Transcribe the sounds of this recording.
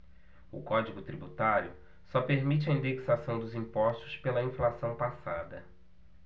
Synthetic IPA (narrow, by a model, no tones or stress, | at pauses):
ʊ̰kɔd͡ʒiɡʊt̪ɾibut̪aɾjʊ | sɔpeɾmit͡ʃɪɐĩnd̪eksasɐ̃w̃d̪ʊzĩpɔʃt̪ʊspelɐĩflasɐ̃w̃pasad̪ɐ̰